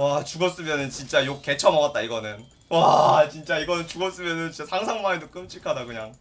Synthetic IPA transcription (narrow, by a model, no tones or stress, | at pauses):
wat͡ɕuɡʌs͈ɯmjʌnɯnt͡ɕint͡ɕ͈ajok̚k͈e̞t͡ɕʰʌmʌɡat̚t͈aiɡʌnɯn | wat͡ɕint͡ɕ͈aiɡʌnɯnt͡ɕuɡʌs͈ɯmjʌnɯnt͡ɕit͡ɕ͈asʰaŋsʰaŋmaedok͈ɯmt͡ɕ͈iɭkʰadakɯɲaŋ